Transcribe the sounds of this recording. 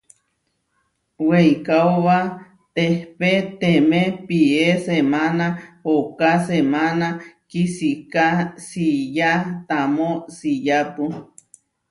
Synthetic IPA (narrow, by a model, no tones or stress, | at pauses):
weikawβa | t̪ehpet̪emẽpiesemanahokasemanakisikasijat̪amosijapu